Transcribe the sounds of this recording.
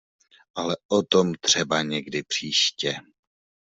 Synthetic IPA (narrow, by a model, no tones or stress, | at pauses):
ʔalɛʔot̪o̞mt̪r̝̥ɛbaɲɛɡdɪpr̝̥iːʃcɛ